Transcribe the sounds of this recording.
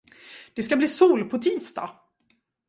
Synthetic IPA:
d̪̥ɛskabliːsuːlpʰɔt̪ʰiːst̪ɑ̰ː

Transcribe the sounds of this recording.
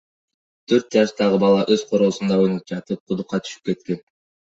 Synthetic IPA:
t̪ʰø̞ɾt̪̚d͡ʒɑʃt̪ɑʁɯbɑlˠɑʔø̞z̥qʰo̞ɾo̞ːsund̪ɑojnyp̚d͡ʒɑt̪ɯp̚qʰud̪uqːɑt̪ʰy̥ʃy̥p̚ke̞t̪ke̞n

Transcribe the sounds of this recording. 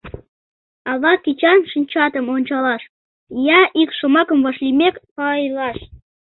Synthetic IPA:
ɑβɑkit͡ɕɑnʃɨnʲt͡ɕɑt̪əmonʲt͡ɕɑlɑʃ | jɑʔikʃomɑkəmvɑʃlimekpɑjlɑʃ

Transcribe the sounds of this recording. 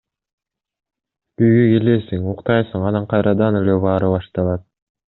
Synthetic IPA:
b̥yjɡøɡelesiŋuqt̪ɑjsɯŋɑnɑɴqʰɑjɾʔɑd̪ɑne̞leβɑːɾɯβɑʃt̪ɑlˠɑt̪̚

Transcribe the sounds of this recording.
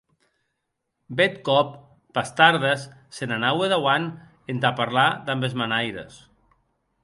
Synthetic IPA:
bet̪kɔpː | ast̪aɾðasː | enanaweðawan | ent̪apaɾlad̪ambezmanajɾḛs

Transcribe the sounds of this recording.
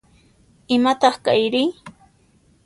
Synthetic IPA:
ɪmat̪ɑχka̰jɾɪj

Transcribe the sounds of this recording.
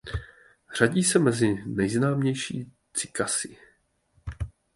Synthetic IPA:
r̝̥aɟiːsɛmɛzɪnɛjznaːmɲɛjʃḭː | t͡sɪ̥kasɪ

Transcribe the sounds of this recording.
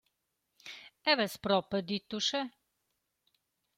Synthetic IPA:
ɛvɛspɾɔpəd̪it̪uʃɛ

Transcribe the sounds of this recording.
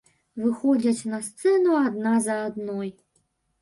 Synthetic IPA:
vɨxɔd͡zʲɐt͡sʲnɐst̪sɛnuad̪nazɐːd̪nɔj

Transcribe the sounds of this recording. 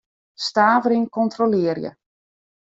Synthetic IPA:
staːvəɾɪŋkɔntrolɪərjə̰

